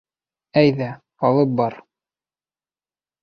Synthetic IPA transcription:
æjðæ | ɑlˠɤp̚bɑɾ

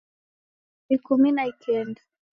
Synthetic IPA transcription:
ikuminaikʰɛnda

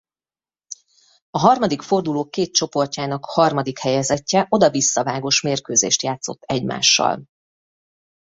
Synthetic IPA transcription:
ɒɦɒrmɒd̪ikfo̞rd̪uloːkːeːt̪̚t͡ʃo̞po̞rcaːnɒkhɒrmɒd̪ikhɛjɛzɛcːɛʔo̞d̪ɒvisːɒvaːɡo̞ʃmeːrkøːzḛːʃt̪jaːt̪so̞t̪ːɛɟma̰ːʃːɒ̰l

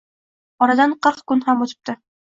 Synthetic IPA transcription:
ɒɾad̪anqɑχkʊnhamot̪ʰɪ̥p̚t̪ɪ

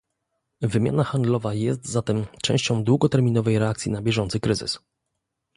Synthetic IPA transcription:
vɘmʲjanaxand̪lɔvajɛst̪zat̪ɛmt͡ʂɛ̰̃w̃ɕt͡ɕɔ̃w̃d̪wuɡɔt̪ɛɾmʲinɔvɛjɾɛak̚t̪sʲinabʲjɛʐɔnt̪sɘkɾɘzɘ̰s

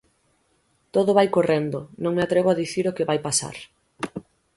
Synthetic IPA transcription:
t̪oðoβajkorɛnd̪onõŋmeat̪ɾɛβoaðiθiɾokeβajpasa̰ɾ

